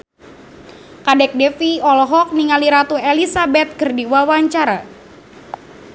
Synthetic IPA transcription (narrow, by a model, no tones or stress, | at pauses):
kadɛk̚dɛfiɔlɔɦɔk̚niŋaliɾat̪uelisabɛt̪̚kərdiwawaɲt͡ʃaɾa